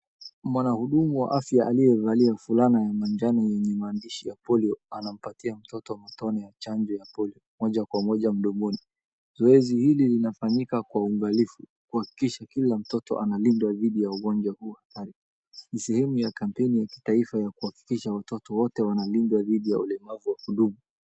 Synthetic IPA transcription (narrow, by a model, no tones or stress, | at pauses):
mwanahuɗumuwa̰ʔafjaʔalijɛvaliafulanajamand͡ʒanɔjɛɲɛmaːndiʃijapɔliɔanam̩patiam̩tɔtɔmɔtɔnɛjat͡ʃaɲd͡ʒɔjapɔliɔmɔʄakwamɔʄam̩ɗɔŋɡuni | zɔɛzihililinafaɲikakwauŋɡalifukuhaki̥kiʃakilam̩tɔtɔ̰ʔanalindwaðiɗijauɠɔnd͡ʒwahuːhataɾi | nisɛhɛmujakampɛnijaki̥taifajakuhaki̥kiʃawatɔtɔwɔtɛwanalindwaðiɗijaulɛmavuwakuɗuɓu